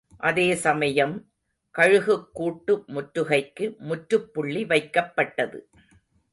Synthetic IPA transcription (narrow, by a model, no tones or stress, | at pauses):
ʔɐðeːsɐmɐjɐm | kɐɻɯɣɯkːuːʈːɯmʊʈɾɯɣɐɪkːɯmʊʈɾɯpːʊɭːiʋɐɪkːɐpːɐʈːɐðɯ̰